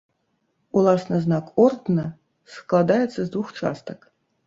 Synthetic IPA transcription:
ulˠɑsnəznɑkort̪nə | sklˠad̪ajet̪səzd̪vuxt͡ʂɑ̰st̪ək

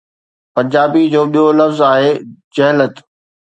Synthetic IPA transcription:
pɐ̃ɲd͡ʑaːbid͡ʑoːɓijolɐfzaːɦeːd͡ʑɐɦɪlət̪

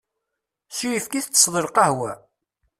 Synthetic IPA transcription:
sujifkiθt͡sːəsˤðˤəɾqɑhwæ

